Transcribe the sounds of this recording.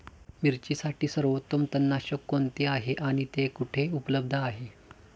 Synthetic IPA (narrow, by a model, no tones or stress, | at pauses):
miɾt͡ɕiːsaʈiːsəɾʋot̪ːəmt̪ənːaɕəkːoɳt̪eaɦeʔaɽ̃it̪ekuʈʰeupləb̚d̪ʱəaɦe